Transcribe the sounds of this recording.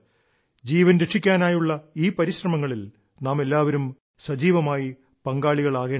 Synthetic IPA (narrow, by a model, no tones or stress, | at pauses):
d͡ʑiːʋɐnɾe̞ʂikʲːaːnaːjuɭːɐiːpɐɾiɕrɐmɐŋːɐɭil | naːme̞lːaːʋɐɾum | sɐd͡ʑiːʋɐmaːji | pɐŋɡaːɭiɣɐɭaːɣeːɳ